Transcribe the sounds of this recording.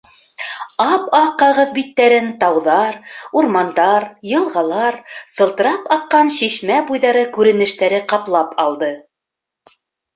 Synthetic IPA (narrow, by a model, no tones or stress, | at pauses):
ɑpɑqːɑʁɤðbit̪ːæɾɘnt̪ɑwðɑɾuɾmɑnd̪ɑɾjɤ̆lˠʁɑlˠɑɾsɤ̆lˠt̪ɤ̆ɾɑpɑqːɑnɕiʃmæbujðɑɾɤkʉɾɘ̆nɘ̆ʃt̪æɾɘqɑplˠɑpʰɑlˠd̪ɤ